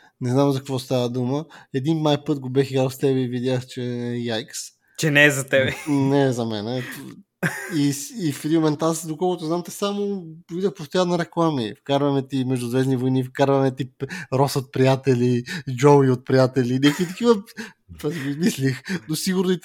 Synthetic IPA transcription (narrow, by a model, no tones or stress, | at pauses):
nɛznamzɐkɐkvɔst̪avəd̪uməɛd̪inmajpɤt̪ɡobɛxiɡɾalˠst̪ɛbɛivid̪ʲjaxt͡ʃɛjajks | t͡ʃɛnɛːzɐt̪ɛbɛnɛzɐmɛ̰nɛ | iːfɾiumɛnt̪asd̪okɔlˠkʊt̪ʊzamt̪ɛsamopvid̪əxpost̪ojanːɐɾɛklˠamifkaɾvɐmɛt̪imɛʒd̪ʊzvɛznivojnifkaɾvɐmɛt̪iɾɔsot̪̚pɾijat̪ɛlʲid͡ʒɔwiot̪̚pɾijat̪ɛlʲinɛkʊit̪ɐkivə | p̪ɔzɡimislixnosiɡʊɾni